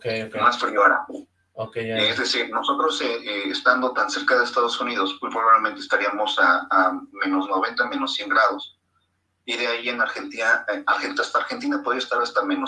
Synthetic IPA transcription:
kemasfɾioɾa̰ | okeezðe̞siɾno̞so̞t̪ɾo̞seeːst̪and̪o̞t̪anseɾkaðeːst̪að̞o̞sunið̞osmwupɾoβaβle̞ment̪est̪aɾiamo̞saamẽ̞no̞zno̞β̞e̞nt̪amẽ̞no̞sje̞ŋɡɾaðos | iðeaie̞naɾxe̞nt̪inaaɾxent̪ast̪aɾxe̞nt̪inapo̞ð̞ɾiaest̪aɾast̪amẽ̞no

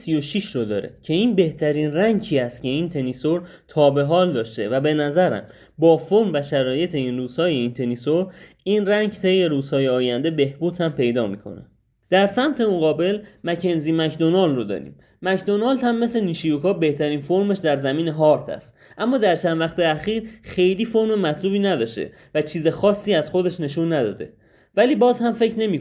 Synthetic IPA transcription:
sijo̞ʃiʃɾod̪ɒ̰ːɾḛcʰe̞iːnbe̞ht̪ʰæɾiːnræŋcʰiːæst̪cʰe̞iːnt̪ʰe̞niso̞ɾ | t̪ʰɒːbe̞ɦɒːld̪ɒːʃt̪e̞væbe̞næzæɾæ̰m | bɒːfoɾmvæʃæɾɒːje̞t̪ʰe̞inruːz̥hɒːje̞iːnt̪ʰe̞nisoɾ | iːnræɲɟt̪ʰe̞jːe̞ɾuːz̥hɒːjeɒːjænd̪e̞be̞hbuːt̪hæmpe̞jd̪ɒːmḭːkʰo̞̰næ̰ | d̪̥æɾsæmt̪ʰe̞mo̞ɣɒːbe̞lmæcʰe̞nziːmæcd̪o̞nɒld̪rod̪ɒ̰ːɾḭːm | mæcd̪o̞nɑːld̪hæmːe̞sle̞niːʃijokɒːbe̞ht̪ʰæɾiːnfo̞ɾme̞ʃd̪æɾzæmiːne̞ɦɒːɾt̪ʰæ̰st̪ | ʔæmːɒːd̪æɾt͡ʃʰænd̪væxt̪e̞æxiːɾxe̞jliːfo̞ɾmemæt̪ʰluːbiːnæd̪ɒːʃt̪ḛ | væt͡ʃʰiːze̞xɒːsːiːæz̥xo̞d̪e̞ʃne̞ʃuːnːæd̪ɒ̰ːd̪e̞̰ | væliːbɒːzhæmfecʰɾne̞mi

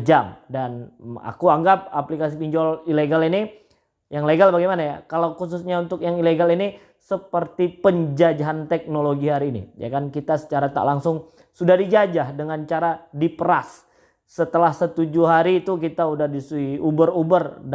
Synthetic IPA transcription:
d͡ʒamdana̰kuaŋɡap̚aplikas̬ipiɲd͡ʒɔlileɡalini | jaŋleɡalbaɡijmanajakalawkususɲaunt̪ʊkjaŋileɡalini | səpərt̪ipəɲd͡ʒad͡ʒaɦant̪ɛk̚noloɡiɦaɾiːnḭd͡ʒa̰kankit̪asə̥t͡ʃaɾat̪a̰ʔlaŋsʊŋ | sudahdid͡ʒad͡ʒahdəŋant͡ʃaɾadipəɾasː | ət̪əlahsət̪ud͡ʒuɦaɾiːt̪ukit̪audahdisuiubərubərd

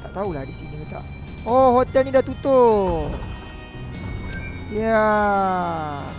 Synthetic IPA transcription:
t̪aʔt̪aulahdisiniit̪a̰ʔ | oɦot̪ɛlnidat̪ut̪o | ja

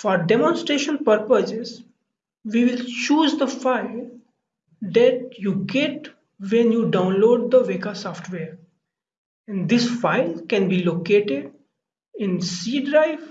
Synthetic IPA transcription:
fɔːɾɖɛmɔ̃nsʈɾeːʃə̃npəɾpəsɪz | ʋiːʋɪlt͡ʃuːzd̪əfaɪl | d̪ɛʈ̚juːɡeʈ | ʋɛ̃njuːɖãʊ̃nloːɖ̚d̪əʋeːkasɔːfʈʋeːɾ | ɛ̃ɳɖd̪ɪsfaɪlkɛ̃nbiːloːkeːʈɪɖ | ɪ̃nsiːɖɾaɪʋ

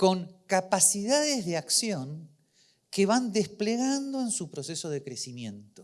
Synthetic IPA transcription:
ko̞ŋkapasiðaðezðeaksjo̞ŋ | keβand̪espleɣand̪o̞ensupɾo̞seso̞ðekɾesimje̞nt̪o

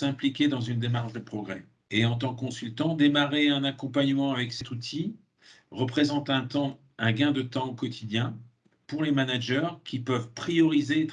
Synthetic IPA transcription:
ɛ̃plikʲed̪ɑ̃zynd̪emaʁʃd̪əpχɔɡʁɛ | eɑ̃t̪̬ɑ̃kkːɔ̃sylt̪ɑ̃d̪emaʁeɛ̃nakɔ̃paɲəmɑ̃avɛksɛt̪ut̪ʰi | ʁəpχezɑ̃t̪ɛ̃t̪ɑ̃ | ɛ̃ɡʲɛ̃d̪ət̪ɑ̃okɔt̪ʰid̪jɛ̃ | puʁlemanaʒœʁkʲʰipœvpχijɔʁizet̪

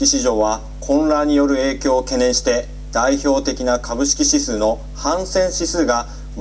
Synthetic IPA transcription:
iɕiʑo̞ːβa | kʰõ̞nɾaɲ̟ijo̞ɾɯ̟e̞ːkʲo̞ːke̞nẽ̞ɰ̃ɕi̥t̪e̞ | d̪̥aiço̞ːt̪e̞kʲinakʰabɯ̟ɕi̥kʲiɕisɨːno̞ | hãɰ̃sẽ̞ɰ̃ɕisɨːɡa | m

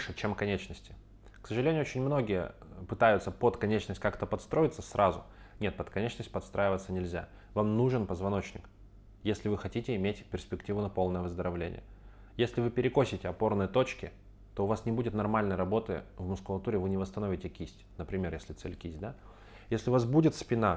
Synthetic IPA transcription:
ʂɨt͡ɕemkɐnʲet͡ɕnəsʲtʲɪ̥ | ksəʐɨlʲenʲʊot͡ɕɪnʲmno̞ɡʲɪjə̰pɨt̪ajʊt̪səpot̪kɐnʲet͡ɕnəsʲtʲkakt̪əpɐt̪st̪ɾo̞jɪt̪səsɾʔazʊ̰ | nʲe̞t̪̚pət̪kɐnʲet͡ɕnəsʲtʲpɐt̪st̪ɾʔaɪvət̪sənʲɪlʲzʲa̰ | vamnuʐɨnpəzvɐno̞t͡ɕnʲɪ̰k | jesʲlʲɪvɨxɐtʲitʲɪɪmʲetʲpʲɪrsʲpʲɪktʲivʊnɐpo̞lˠnəjəvəzd̪əɾɐvlʲḛnʲɪ̰jə | jesʲlʲɪvɨpʲɪɾʲɪko̞sʲɪtʲɪɐpo̞rnəjət̪o̞t͡ɕkʲɪ | t̪o̞ʊvasnʲɪbudʲɪt̪nɐrmalʲnəjɾɐbo̞t̪ɨ̰vmʊskʊlˠɐt̪uɾʲɪvɨnʲɪvəst̪ɐno̞vʲɪtʲɪkʲisʲtʲnəpɾʲɪmʲe̞rjesʲlʲɪt̪sɛ̰lʲkʲisʲd̪a | jesʲlʲɪʊvasbudʲɪt̪spʲɪna

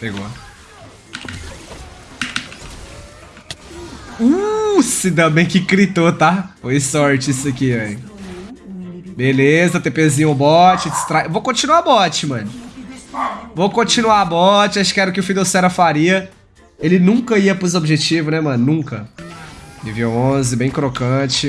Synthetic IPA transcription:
peɡo̰ | usɪd̪ɐ̃bẽj̃kɪkɾit̪ot̪afojsɔɾt͡ʃɪisɐkiej | belezɐt̪epezĩɲʊbɔt͡ʃɪd͡ʒɪst̪ɾaevowkõt͡ʃinuabɔt͡ʃɪmɐ̃nʊ | vokõt͡ʃinuaabɔt͡ʃɪaʃkɪɛɾʊkɪʊfid̪osɛɾɐfaɾiɐ | elɪnũŋkɐiɐpozobiʒet͡ʃivʊnɛmɐ̃nʊnũkɐ | miviɐõzɪbẽj̃kɾokɐ̃t͡ʃɪ

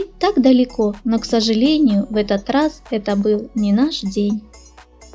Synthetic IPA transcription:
t̪aɡd̪ɐlʲikɔnɔksɐʐɨlʲenʲɪjʊvɛt̪ɐt̪rasɛt̪ɐbɨlˠnʲinaʂd͡zʲenʲ

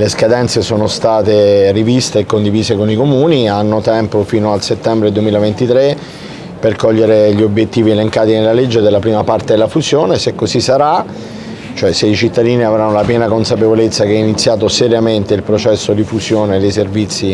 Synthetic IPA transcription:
leskad̪ɛnt̪sesoːnost̪aːt̪erivist̪eːkːond̪iviːsekonikomuːnianːot̪ɛmpofiːnoalset̪ːɛmbɾed̪uemiːlavent̪it̪ɾe | perkɔʎːeɾeʎiobjet̪ːiːvieleŋkaːt̪inelːaled͡ʒːed̪elːapɾiːmapart̪ed̪elafuzjoːnesekːozisːaɾa | t͡ʃoɛseit͡ʃit̪ːad̪iːniavɾanːolapjɛːnakonsapevolet̪sːakeɛinit̪sːjaːt̪̬oseɾjament̪eilpɾot͡ʃɛsːod̪ifuzjoːned̪ejservit̪sːi

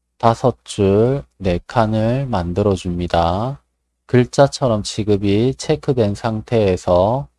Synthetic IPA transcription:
tasʰʌt͡ɕ͈ʰuɭne̞kʰanɯɭmandɯɾʌd͡ʑumɲida | kɯɭt͡ɕ͈at͡ɕʰʌɾʌmt͡ɕiɡɯbit͡ɕʰe̞kʰɯdwe̞nsʰaŋtʰe̞ːsʰʌ

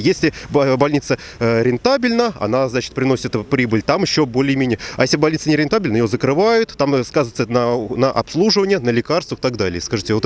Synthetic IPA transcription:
jesʲlʲɪbbɐlʲnʲit̪sə | ɾʲɪnt̪abʲɪlʲnəɐ̰naznat͡ɕɪ̥t̪pɾʲɪnosʲɪt̪pɾʲibɨlʲt̪amɪɕːobo̞lʲɪjmʲenʲɪjəajesʲlʲɪbɐlʲnʲit̪sənʲɪɾʲɪnt̪abʲɪlʲnəjozəkɾɨvajʊt̪ːamskazəvt̪sənənəʔɐ̰pslˠuʐɨvənʲɪjənəlʲɪkarst̪vəxt̪aɡd̪alʲɪjəskɐʐɨtʲɪot̪

